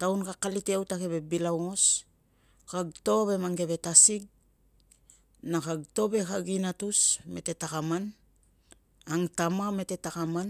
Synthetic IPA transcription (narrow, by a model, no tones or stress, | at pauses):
tawnkakaliteawtake̞βe̞bilawŋo̞s | kaɡto̞βe̞maŋɡe̞βe̞tasiɡ̚ | nakaɡto̞be̞kaɡinatusme̞̰te̞takaman | aŋtamame̞te̞takaman